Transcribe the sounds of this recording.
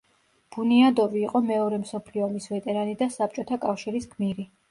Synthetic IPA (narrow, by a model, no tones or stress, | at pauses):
b̥uniad̪ɔviːqʼɔmɛɔɾɛmsɔpʰliɔmisvɛt̪ʼɛɾanid̪asap̚t͡ʃʼɔt̪ʰakʼafʃiɾiskʰmiɾi